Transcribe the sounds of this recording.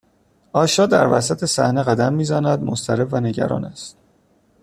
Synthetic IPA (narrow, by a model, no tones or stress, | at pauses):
ɒːʃɒːd̪æ̰ɾvæ̰sæt̪ʰe̞sæ̰hne̞ɣæd̪æmːiːzænæd̪most̪æɾevvæne̞ɟæ̰ɾɒ̰ːnæst̪